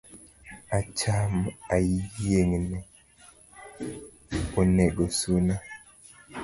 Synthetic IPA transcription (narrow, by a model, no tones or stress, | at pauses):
at͡ʃamajijjeŋnɛ | onɛɡosuna